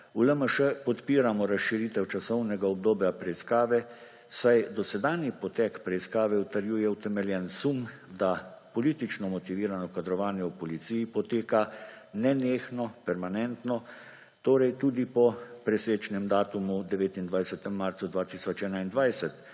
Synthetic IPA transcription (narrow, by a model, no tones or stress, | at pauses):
uləməʃəpɔt̪piːɾamɔɾasʃiɾit̪ɛwt͡ʃasɔwnɛɡaɔb̚d̪oːbjapɾɛiskaːʋɛ | sajd̪ɔsɛd̪aːnjipɔt̪ɛkpɾɛiskaːʋɛut̪aɾjuːjɛwt̪ɛmɛljɛnsumd̪apɔliːt̪it͡ʃnɔmɔt̪iʋiːɾanɔkad̪ɾɔʋaːnjɛwpɔlit̪siːjipɔt̪eːkanɛneːxnɔpɛɾmanɛnt̪nɔ | t̪oːɾɛjt̪uːd̪ipɔpɾɛseːt͡ʃnɛmd̪aːt̪umud̪ɛʋeːt̪ind̪ʋajsɛt̪ɛmːaɾt̪sud̪ʋaːt̪isɔt͡ʃɛːnaind̪ʋajsɛt̪